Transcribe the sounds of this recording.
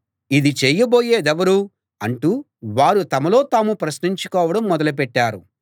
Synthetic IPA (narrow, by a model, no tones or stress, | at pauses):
id̪it͡ʃeːjɐbo̞ːjeːd̪ɛʋɐɾu | ɐɳʈuː | ʋaːɾut̪ɐmɐlo̞ːt̪aːmupɾɐsniɲt͡ʃukɔːʋɐɽɐmːɔd̪ɐlup̬ɛʈːaːɾṵ